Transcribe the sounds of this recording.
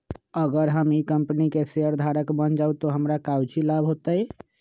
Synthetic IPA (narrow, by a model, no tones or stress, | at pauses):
əɡəɾɦəmikəmpnikeseəɾd̪ʱaɾəkbənd͡ʒaut̪ɔɦəmɾakawt͡ʃilabʱɦot̪əj